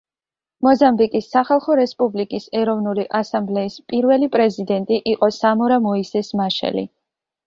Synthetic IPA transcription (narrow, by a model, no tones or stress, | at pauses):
mɔzambikʼisːaχalˠχɔɾɛspʼublikʼisɛɾɔvnuliʔasamblɛispʼiɾvɛlipʼɾɛzid̪ɛnt̪ʼiʔiqʼɔsamɔɾamɔisɛsmaʃɛ̰lḭ